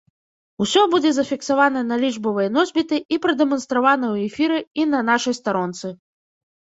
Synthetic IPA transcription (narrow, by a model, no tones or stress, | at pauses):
usʲɔbud͡zʲɛzɐfʲiksavanɐnɐlʲiʐbɨvɐjnɔzʲbʲit̪ɨʔipɾɐd̪ɛmɐnst̪ɾavanɐwɛfʲiɾɨinɐnaʂɨjst̪aɾɔnt̪sɨ